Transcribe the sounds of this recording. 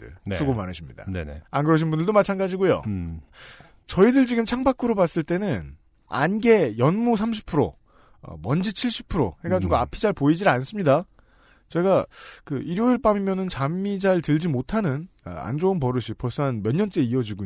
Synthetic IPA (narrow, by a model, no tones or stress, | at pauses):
ɯ̰nsʰoɡomanɯɕʰimɲida̰nḛḛankɯɾʌɕ̬ʰinbundɯɭdomat͡ɕʰanɡad͡ʑiɡojo̰ | t͡ɕʌidɯɭt͡ɕiɡɯmt͡ɕʰaŋbak͈ʰɯɾobas͈ɯɭt͈e̞nɯn | a̰nɡe̞jʌnmusʰamɕ̬ʰi̥pʰɯɾo̰ | mʌnd͡ʑit͡ɕʰiɭɕ͈ʰi̥pʰɯɾo̰he̞ɡad͡ʑiɡoapʰid͡ʑaɭpoid͡ʑians͈ɯmɲida | t͡ɕe̞ɡakɯʔiɾjoɯɭp͈amimjʌnɯnt͡ɕamːid͡ʑaɯɭtɯɭd͡ʑimotʰanɯn̰a̰nd͡ʑounp̬ʌɾɯɕʰipʰʌɭs͈anmjʌnːʌnt͡ɕ͈e̞iʌd͡ʑiɡo